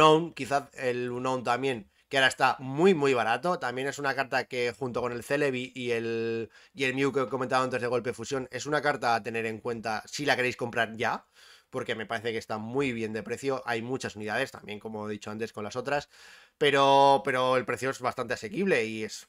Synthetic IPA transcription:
ownkiθaelunownt̪amje̞ŋ | keaɾae̞st̪amujmuijβ̞aɾat̪o̞t̪ambje̞ne̞sunakaɾt̪ake̞xunt̪o̞ko̞ne̞lθe̞le̞β̞iʔielː | e̞lmjukeko̞me̞nt̪aβant̪e̞zðe̞ɣo̞lpe̞fusjo̞ne̞sunakaɾt̪aːt̪e̞ne̞ɾe̞ŋkwe̞nt̪asilake̞ɾejsko̞mpɾaɾʝa | po̞ɾke̞me̞paɾe̞θe̞kest̪amwujβ̞je̞nd̪e̞pɾe̞θjo̞ʔajmut͡ʃasuniðað̞e̞st̪a̰mbje̞ŋko̞mo̞ðit͡ʃo̞ant̪esko̞nlaso̞t̪ɾas | pe̞ɾo̞pe̞ɾo̞e̞lpɾe̞θjo̞e̞zβast̪ant̪e̞asekiβle̞ie̞s

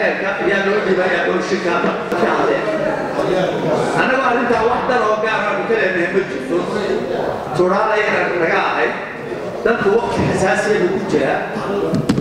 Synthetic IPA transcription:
ɛrkʰɐʔɐjaːlɔːɖiːβaːjaːʔɔʃɪrkʰaːɐ | ɐkʰɐhɐlɛːn | ʔɐnːɐɣɔːɐrɪnt̪ʰaːwɑħd̪ɐnɔːɡaːɾɐːkʊkʰɐlɛːmɛmɐt͡ʃɪrt̪ʰɔ | t̪ʊɽaːlɐjɐɾɐkɐɣɐɐɦɐjd̪̚ | d̪ɐlkʰʊwɑqt̪ʰɪħɪsaːsɪjɐɣʊkʰʊt͡ʃɪɾɐ

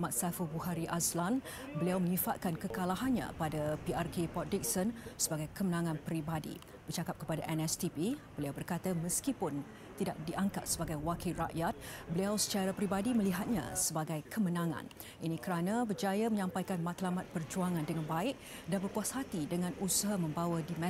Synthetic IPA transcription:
mat̪̚safəbuhaɾiʔaslan | bəliawməɲĩfat̪̚kankəkalaɦanɲã̰padapiʔarkepɔdik̚sənsəbaɡajkəmənãŋãnpəɾibadḭ | b̥ərt͡ʃakap̚kəpadaʔɛnɛst̪ipibəliawbərkat̪əməskipʊn | t̪idaʔ̚diʔaŋkat̪̚səbaɡajwakilra̰ʔjat̪̚bəliawsə̥t͡ʃaɾapəɾibadiməliɦat̪̚ɲa̰səbaɡajkʰəmənãŋã̰n | ʔinĩkəɾanəbərd͡ʒajaməɲãmpajkanmãt̪lamat̪̚pərd͡ʒuaŋãndəŋanbaɪk̚ | danbərkuashat̪idəŋãnusəɦamə̃mbawədimɛ̃

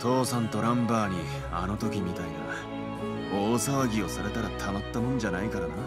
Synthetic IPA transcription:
t̪ʰo̞ːsãnt̪o̞ɾãmbaːɲ̟i | ano̞t̪o̞kʲimʲit̪aina̰ | oːsaβaɡʲio̞saɾe̞t̪aɾat̪ʰamat̪ːamõ̞nd͡ʑanaikaɾana

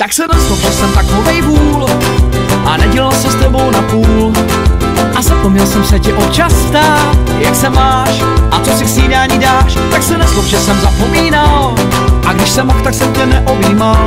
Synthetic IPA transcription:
t̪aksɛnɛslopʒɛsɛmt̪aknovɛjbuːl | ʔanɛɟɛlɪlsɛst̪ɛbo̞wnapuːl | ʔazapomɲɛlsɛmsɛcɪʔot͡ʃast̪aːt̪jaksɛmaːʃ | ʔat͡sosɪksiːdaaɲidaːʃt̪aksɛnaslopʒɛsɛmzapomiːnal | ʔaɡdɪʃsɛmoxt̪aksɛmcɛnɛʔoviːmal

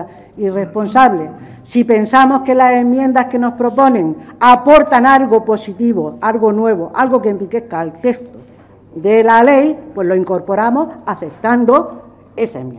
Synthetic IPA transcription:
ire̞spo̞nsaβle | sipe̞nsamo̞ske̞lase̞mjẽ̞nd̪aske̞no̞spɾo̞po̞nẽ̞ŋapo̞ɾt̪analɣopo̞sit̪iβoalɣo̞nwe̞β̞oʔalɣo̞kemplike̞θkaːlt̪e̞st̪o | dðe̞lale̞jpwe̞ɦlo̞iŋkoɾpo̞ɾamo̞saθe̞p̚t̪and̪o | e̞saem

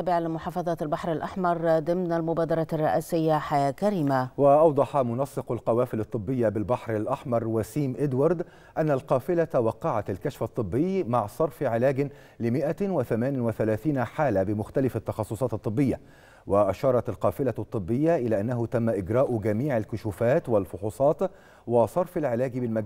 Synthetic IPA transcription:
bɪʕalɪmʊħɑːfɑðˤɑːt̪albaħɾalʔaħmɑɾˤd̪ɪmnalmʊbaːd̪ɑɾˤɑrˤːɑʔiːsɪjːaħajaːkaɾiːmawɪʔɑwd̪ˤɑħɑmʊnɑsˤːɨqalqɑwaːfɪlɑt̪ˤːɨbːɪjːabɪlbaħɾalʔɑħmɑɾˤwasiːmʔɪd̪wɑɾˤd̪ | ʔanːalqɑːfɪlat̪awɑqːɑʕat̪alkaʃfɑt̪ˤːɨbːɪjːmaʕsˤɑɾˤfʕɪlæːɡɪ | lɪmɪʔawɪθamæːnɪnwɪθalæːθiːnaħaːlabɪmʊxt̪alɪfɑt̪ːɑxɑsˤːʊsˤɑːt̪ɨt̪ˤːɨbːɪjːa | wɪʔaʃɑːɾˤɑt̪alqɑːfɪlat̪ˤːɨbːɪjːaʔɪlæːʔanːaɦʊt̪amːaʔɪɡɾɑːʔɡæmiːʕalkʊʃuːfaːt̪walfʊħuːsˤɑːt̪ | wɪsˤɑɾˤfalʕɪlæːɡbɪlmaɡ

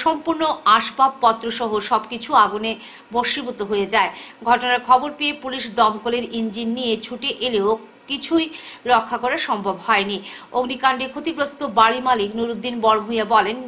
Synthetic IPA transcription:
ʃɔmpuɾnoaʃbab̚pɔt̪ːɾoʃɔɦoʃɔbkit͡ɕʰuaɡune | boʃibot̪oɦojed͡ʑaeɡʱɔʈonaɾkʰɔboɾpeepuliʃd̪ɔmkoleɾind͡ʑinːiet͡ɕʰuʈeʔeleo | kit͡ɕʰujɾɔkʰːakoɾaɾʃɔmbʱobhɔenioɡnikaɳɖikʰot̪ikɾost̪obaɽimaliknuɾud̪ːinbɔɽomɦujabɔlen

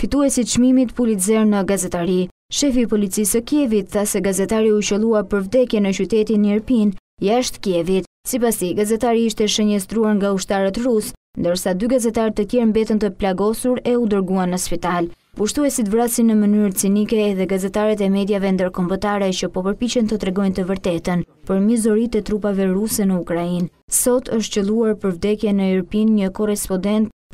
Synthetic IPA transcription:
fit̪uɛsit̪ʃmimit̪pulit̪zɛɾnəɡazɛt̪aɾi | ʃɛfipɔlit͡sisəkjɛvit̪θasɛɡazɛt̪aɾiut͡ɕəlˠuaɾpəɾvd̪ɛkjɛnət͡ɕyt̪ɛt̪inɛɾpin | jaʃt̪kjɛvit̪ | sipast̪iɡazɛt̪aɾiiʃt̪ɛʃəɲɛst̪ɾuaɾŋɡauʃt̪aɾat̪ɾus | nd̪əɾsad̪yɡazɛt̪aɾt̪ət̪jɛɾmbɛt̪ənt̪əplaɡɔsuɾɛud̪əɾɡuanːəspit̪al | puʃt̪uɛsit̪vɾasinːəmənyɾt͡sinikɛːðɛɡazɛt̪aɾɛt̪ɛmɛd̪javɛnd̪əɾkɔmbət̪aɾɛt͡ɕəpɔpəɾpit͡ɕɛnt̪ət̪ɾɛɡɔjnt̪əvəɾt̪ɛt̪ən | pəɾmizɔɾit̪ɛt̪ɾupavɛɾusɛnəukɾain | sɔt̪ʰəʃ̬t̪t͡ɕəlˠuaɾpəɾvd̪ɛkjɛnəɛɾpinɲəkɔrɛspɔd̪ɛnt̪̚

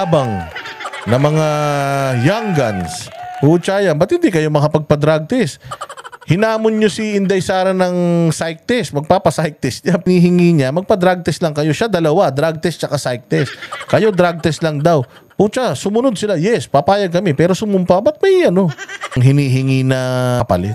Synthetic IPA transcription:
bɐŋ | nɐmɐŋa | jaŋɡɐnshuːt͡ʃaːjɐmbɐt̪̚hɪnd̪ikɐjo̞mɐkɐpɐɡ̚pɐd̪ɾaɡ̚t̪ɛs | hɪnaːmonɲosɪʔɪnd̪ɐjsaːɾɐnɐŋsajk̚t̪ɛsmɐɡ̚paːpɐsajk̚t̪ɛsɲapɪniːhɪŋiːɲamɐɡ̚pɐd̪ɾaɡ̚t̪ɛslɐŋkɐjo̞ʃad̪ɐlɐwad̪ɾaɡ̚t̪ɛst͡ʃɐkasajk̚t̪ɛskɐjo̞d̪ɾaɡ̚t̪ɛslɐŋd̪aw | pʊt͡ʃasʊmʊnod̪̚sɪlajɛspɐpaːjɐɡ̚kɐmɛpɛːɾo̞sʊmʊmpabɐt̪̚mɐjʔɐno̞ŋɦɪniːɦɪŋiːnɐpɐ̰lɪt̪̚

